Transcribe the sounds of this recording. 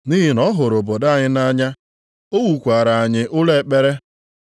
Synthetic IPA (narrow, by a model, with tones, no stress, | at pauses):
ni˦ɦi˨nɔ˦ɦʊ˨ɾo˨bo˨da˦˨ɲɪ˦na˦ɲa˦ | o˦wu˨kʷa˨ɾa˨a˨ɲɪ˦ʔʊ˦le˦˨k͡pe˦ɾe˦